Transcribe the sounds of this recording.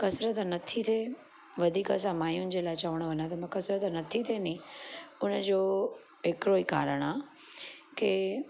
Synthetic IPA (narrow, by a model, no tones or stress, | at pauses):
kɐsɾət̪nɐt̪ʰit̪ʰe | ʋɐd̪ʱiːkɐs̬ãmaːjunɪ̆d͡ʑeːlaːɪt͡ɕɐʋəɽ̃ʋɐɲãt̪̬ɐmãkɐsɾət̪nɐt̪ʰit̪ʰenĩʊnəd͡ʑoː | ɦɪkɪɾoiːkaːɾəɽ̃aː | ke